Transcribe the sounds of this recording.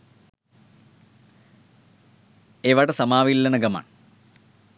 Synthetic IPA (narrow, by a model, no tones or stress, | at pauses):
eʋaɽɐsɐmaːʋilːɐnɐɡɐma̰ːɳ